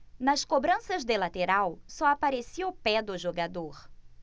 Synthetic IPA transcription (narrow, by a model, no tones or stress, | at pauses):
nɐskobɾɐ̃sɐzd̪elat̪eɾawsɔapaɾesiʊpɛd̪ʊʒoɡad̪oɾ